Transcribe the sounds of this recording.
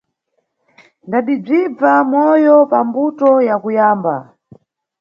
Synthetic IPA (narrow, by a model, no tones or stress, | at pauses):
ndaɗib͡ʐib͡vamɔjɔpambutɔjakujaːmba̰